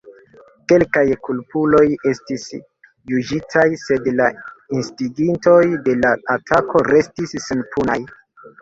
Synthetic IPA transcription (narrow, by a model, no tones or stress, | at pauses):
ke̞lkajkulpulo̞je̞stis | jud͡ʒitʰajse̞dlainstiɡinto̞jde̞laːtʰakʰo̞ɾe̞stisːenpʰuna̰j